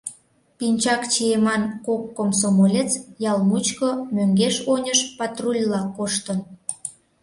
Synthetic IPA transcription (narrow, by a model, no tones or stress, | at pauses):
pinʲt͡ɕɑkt͡ɕiemɑnkokːomsomolʲet͡sjɑlmut͡ɕkomøŋɡeʃonʲəʃpɑt̪rulʲlɑkoʃt̪ən